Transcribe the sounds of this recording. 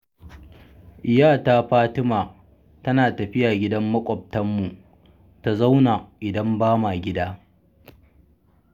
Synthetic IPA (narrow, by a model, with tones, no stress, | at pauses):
ʔɪ˨jaː˦˨ta˦ɸaː˦tɪ˦maː˨ | tɐ˦naː˨tɐ˨ɸɪ˦ja˨ɡʲɪ˦dɐ˦mːɐ˦kʷʼɔ˨p̚tɐ˦mːu˨ | ta˨za˦wna˨ʔɪ˨dɐ˦mbaː˦ma˨ɡʲɪ˦daː˦